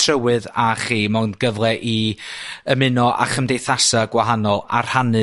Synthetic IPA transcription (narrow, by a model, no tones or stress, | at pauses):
tʰrəwɨðaχiːmɔnɡəvlˠɛʔi | əmɨnɔʔa̰χəmdejθasaɡwaɦanɔlˠar̥hanɨ